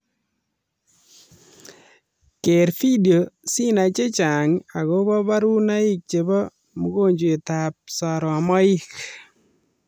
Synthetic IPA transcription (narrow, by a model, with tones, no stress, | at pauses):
ke˨ɾfi˦djo˨si˦na˨t͡ʃe˦t͡ʃa˨ŋa˨ɣɔ˦bɔ˦ba˦ɾu˦na˦ɪ˦k̚t͡ʃe˨bɔ˦ | mʊ˦ɡo˦˨ɲd͡ʒwe˨ta˨p̚sa˨ɾɔ˨mɔ˦ɪ˦k